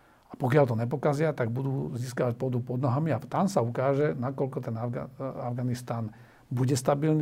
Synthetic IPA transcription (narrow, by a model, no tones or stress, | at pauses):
apɔkɪalt̪ɔɲɛpɔkazɪat̪aɡbud̪uːziːskaʋac̚pɔd̪upɔd̪nɔɦamiat̪ansaukaːʒɛnakɔlkɔt̪ɛnavɡaavɡanist̪aːn | buɟɛst̪abilni